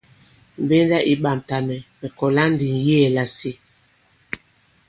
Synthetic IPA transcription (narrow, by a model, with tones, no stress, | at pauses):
m̩˨be˦n˦da˦ʔi˦ɓa˨m˨ta˨mɛ˨mɛ˨kɔ˨la˦n˦di˨n˨jɛ˦˨la˨si˦